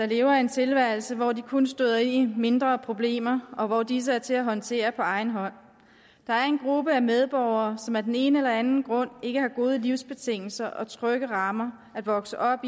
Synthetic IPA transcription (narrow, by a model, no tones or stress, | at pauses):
d̥ɑ̈le̝ːʊɐe̝nt͡sʰe̝lʋæɐ̰l̩səʋɒd̥ikʰonsd̥oðˠɐenime̝nd̥ʁɐpʰʁo̝b̥le̝̰ːmɐʔɒ̽ʋɒd̥is̬əæɐt͡sʰe̝læɦɒ̽nt͡sʰe̝̰ːɐpʰɒ̽ɑ̈ɪn̩ɦɒ̽n̰ | d̥ɑ̈æɐe̝nɡ̥ʁub̥əæmeð̞ˠb̥ɒʊ̰ɐːsɒ̽mæd̥ene̝ːnəelɐænn̩ɡ̥ʁɔ̽n̰e̝ɡ̥əhɑ̈ɡ̥o̝ːð̞ˠəliʊ̰sb̥e̝t͡sʰe̝ŋ̰l̩sɐʔɒ̽t͡sʰʁœɡ̥əʁɑ̈mɐ | æd̥ʋɒ̽ɡ̥səʔɒ̽b̥